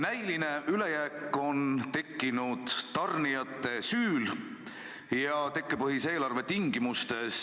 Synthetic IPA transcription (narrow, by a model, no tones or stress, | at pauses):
næjline̞ʔyle̞jæːkːˑo̞nt̪e̞kːinud̪̥t̪ɑrnijɑt̪ːˑe̞syːl | jɑt̪e̞kːepɤɦise̞ːlɑrve̞t̪iŋɡ̥imust̪e̞s